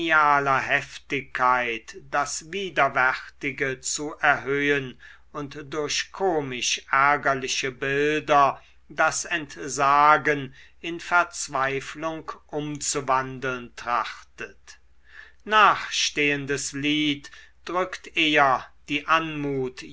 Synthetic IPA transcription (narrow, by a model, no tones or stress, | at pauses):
iaːlɐɦɛftɪkʰːaɪtd̥asviːdɐvɛχtɪɡət͡suʔɛɐɦøːən | ʊntd̥ʊɐɕkʰoːmɪʃʔæɐɡɐlɪʃəbɪldɐ | dasɛntzaːɡən | ɪnfɛɐt͡sv̥aɪflʊŋkʔʊmt͡suvandl̩ntʁ̥aχtət | naːχʃteːəndəsliːt | d̥ʁʏktʔeːɐd̥iːʔanmuːt